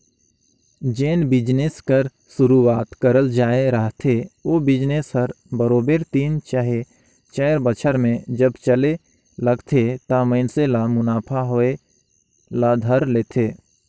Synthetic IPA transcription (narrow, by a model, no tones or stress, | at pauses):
d͡ʒeːnbɪd͡ʒneskəɾ | sʊɾuaːt̪kəɾəld͡ʒaːeɾəɦt̪ʰeoːbɪd͡ʒnesɦəɾ | bəɾoːbeɾt̪iːnt͡ʃaɦe | t͡ʃəːɾbət͡ʃʰəɾmẽd͡ʒəbt͡ʃəle | ləɡt̪ʰet̪amə̃ɪnselamʊnaːpʰaɦoe | lad̪ʱəɾleːt̪ʰeː